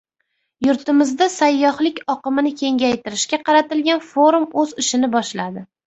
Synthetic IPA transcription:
jʊɾt̪ɪmɪzd̪asajːɒhlɪkʲɒqɨmɪnɪkʲʰe̞ŋɡʲajt̪ʰɪɾɪʃkʲaqʰɑɾat̪ɪlɡʲanfo̞ɾumɵzɪʃɪnɪbɒʃlad̪ɪ

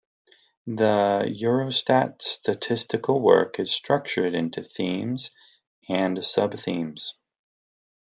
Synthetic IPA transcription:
ðəjʊɹoʊstætstʰɨtʰɪstɨkl̩ˠwɜ̰˞kɨz̥stɹ̥ʌk̚t͡ʃə˞ɾɪ̃ntʰʉθĩmz̥ | ɨ̃nsʌb̚θĩmz̥

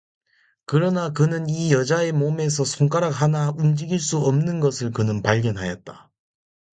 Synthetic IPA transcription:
kɯɾʌnakɯnɯnijʌd͡ʑae̞mome̞s̬ʰʌsʰoŋk͈aɾak̚ɦanaund͡ʑiɡiɭs͈uʌmnɯnɡʌsʰɯɭkɯnɯnpaʎɡjʌnɦajʌt̚t͈a

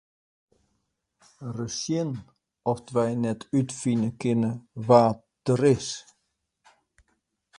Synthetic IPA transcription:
rəsjɪn | ɔftʋɛjnɛtʰytfinəkɪnəʋaːt | d̥əɾɪs

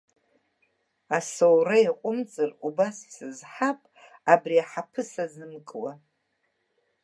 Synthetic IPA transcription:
asowraiqʷʼʊmt͡sʼɨrubasi̥sɨzħapʼabriaħapʰɨsazɨmkʼwa

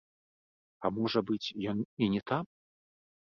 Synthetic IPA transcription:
ɐmɔʐɐbɨt͡sʲjɔninʲɛt̪am

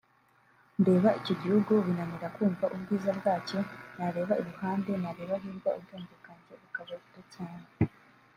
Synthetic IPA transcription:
nde̞ːβaicoɟihuɡuβinaniɾakuːɱvaʔubɡiːzabɡaːt͡ʃo̞naɾe̞ːβaiɾuhaːnde̞naɾe̞ːβaɦiːɾɡaubdoːndekaɲɟeβikaβatutaːɲe

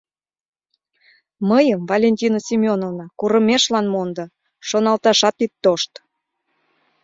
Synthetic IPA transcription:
məjəmvɑlʲenʲtʲinosʲimʲonovnɑkuɾəmʲeʃlɑnmond̪ɤ | ʃonɑlt̪ɑʃɑt̪it̪ːoʃt̪

